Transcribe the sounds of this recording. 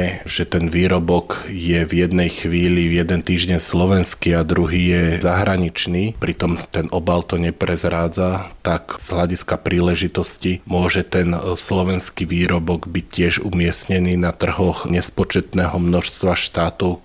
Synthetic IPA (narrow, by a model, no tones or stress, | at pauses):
ɛʒ̥ɛt̪ɛnʋiːɾɔbɔkjɛvjɛd̪nɛjxʋiːlivjɛd̪ɛnt̪iːʒɟɛɲslɔʋɛnskiad̪ɾuɦiːjɛzaɦɾaɲit͡ʃniːpɾit̪ɔmt̪ɛnɔbalt̪ɔɲɛpɾɛzɾaːd͡zat̪akz̥ɦlaɟiskapɾiːlɛʒit̪ɔscimʊɔʒɛt̪ɛnslɔʋɛnskiʋiːɾɔbɔɡbic̚cːɪɛʒṵmɪɛsɲɛniːnat̪r̩ɦɔxɲɛspɔt͡ʃɛt̪nɛːɦɔmnɔʃst̪ʋaʃt̪aːt̪ɔʊ